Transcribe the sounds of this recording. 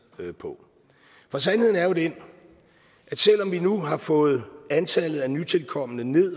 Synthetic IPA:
pʰɒ̽ | fɒ̽s̬ænhe̝ð̞̰ˠn̩æɐjo̝d̥een | ʔæ̥sel̰ɒ̽mʋinuɦɑ̈fɔ̽ːð̞̩ˠænt͡sʰɛlð̩ˠænyt͡sʰe̝lkʰɒ̽m̰ənəne̝ð̰ˠ

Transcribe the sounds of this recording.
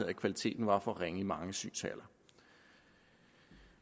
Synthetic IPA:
ð̰ˠækʰʋælit͡sʰe̝̰ːd̥n̩ʋɑ̈fɒ̽ʁeŋəimɑ̈ŋəsy̰ːnsʰæ̰lɐ

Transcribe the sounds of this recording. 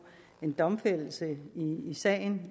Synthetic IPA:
e̝nd̥ɒ̽mfel̰l̩səiisɛ̰ːn

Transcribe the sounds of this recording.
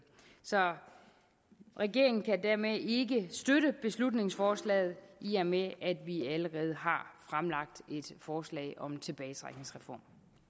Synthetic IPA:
sɒ̽ | ʁɛɡ̥e̝ɐ̰eŋn̩kʰædæɐ̰mee̝ɡəsd̥øɾəb̥e̝slud̥ne̝ŋsfɒːslɛ̰ːð̩ˠʔiɐmeʔæd̥ʋiæləʁɛːð̞̩ˠɦɑ̈fʁamlɑ̈ɡ̥̚d̥e̝d̥fɒːslɛ̰ɪʔɒ̽mt͡sʰe̝b̥ɛːɪt͡sʰʁa̰ɡ̥ne̝ŋsʁɛfɒ̰ːm

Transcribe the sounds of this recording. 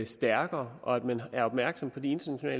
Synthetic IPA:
sd̥æɐɡ̥ɐːʔɒ̽æd̥mænæɐɒ̽b̥mæɐɡ̥sɒ̽mpʰɒ̽d̥ie̝nd̥ɐnæɕo̝nɛ̰ːl

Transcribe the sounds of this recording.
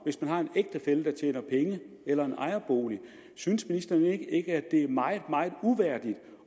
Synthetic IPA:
ʋe̝smænɦɑ̈e̝neɡ̥d̥ɐfeləd̥ɑ̈t͡ɕʰḛːnɐpʰeŋə | elɐe̝nʔɑ̈ɪɐb̥o̝ːli | synsminisd̥ɐːne̝ɡ̥əe̝ɡ̥əæ̥d̥e̝æɐmɑ̈ɪð̩ˠmɑ̈ɪð̩ˠuʋæɐ̰d̥id̥

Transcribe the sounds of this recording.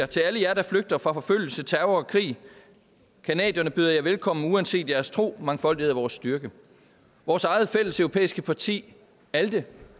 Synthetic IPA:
t͡sʰe̝læləjæɐɾɑ̈fløɡ̥̚d̥ɐfʁɑ̈fɒ̽føl̰l̩sət͡sʰæɐɐɒkʰʁḭː | kʰænɛ̰ːd̥jɐnəb̥yðˠɐjɑ̈ɪʋelkʰɒ̽m̰n̩uænse̝̰ːd̥jæɐst͡sʰʁo̝̰ːmɑ̈ŋfɒ̽ldihḛæʋɒːsːd̥yɐɡ̥ə | ʋɒːsɑ̈ɪð̞̩ˠfel̰əsœʊʁo̝pʰḛːisɡ̥əpʰɑ̈t͡sʰḭː | æld̥ə

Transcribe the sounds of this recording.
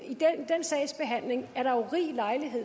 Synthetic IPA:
id̥end̥ensɛ̰ɪsb̥e̝ɦæn̰le̝ŋæɐɾ̥ɑ̈oʁḭːlɑ̈ɪliɦe̝ð̰ˠ

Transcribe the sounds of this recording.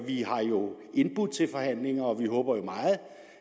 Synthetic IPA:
ʋiɦɑ̈jo̝ | e̝nb̥ud̥ˠt͡sʰe̝lfɒ̽hæn̰le̝ŋɐɒ̽ʋihɔ̽ːb̥ɐjo̝mɑ̈ːð̞̩ˠ

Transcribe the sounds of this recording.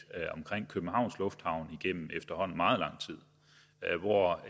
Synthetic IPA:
ɒmkʰʁeŋ̰kʰøb̥n̩hɑ̈ʊ̰nslɔ̽fd̥hɑ̈ʊniɡ̥em̰m̩efd̥ɐhɒ̽n̰n̩mɑ̈ːð̞̩ˠlɑ̈ŋ̰t͡sʰið̰ˠ | ʋɒ

